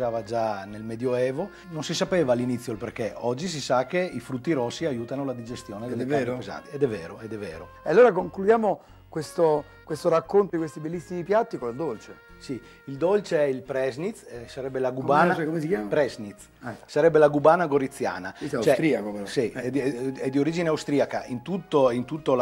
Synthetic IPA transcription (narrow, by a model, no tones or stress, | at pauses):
aːvad͡ʒanelmɛd̪joɛːvo | nonsisapeːvaːlːinit̪sːjolperkeɔd͡ʒːis̬isak̟ːeifɾut̪ːiɾosːiajuːt̪anolad̪id͡ʒest̪joːned̪elːeaɾpiza̰ːt̪iɛd̪ɛvːɛːɾoɛd̪ɛvːɛːɾo | ealːoːɾakoŋklud̪jaːmo | kwest̪o | kwest̪oɾakːont̪odikwest̪ibelːisːimipjat̪ːikold̪olt͡ʃesi | ild̪olt͡ʃeɛilpɾɛznit̪sɛsaɾɛbːelaɡubaːnakomesikjaːpɾɛznit̪s | saɾɛbːelaɡubaːnaɡoɾit̪sːja̰ːnaat͡ʃɛɾiakopɾsiɛɛd̪ːioɾiːd͡ʒineawst̪ɾiakaʔint̪ut̪ːoint̪ut̪ːo